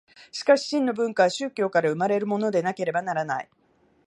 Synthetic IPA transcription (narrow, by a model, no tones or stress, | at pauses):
ɕi̥kaɕi̥ɕĩnːo̞bɯ̟̃ŋkaβaɕɨːkʲo̞ːkaɾaɯ̟maɾe̞ɾɯ̟mo̞no̞d̪e̞nake̞ɾe̞banaɾanai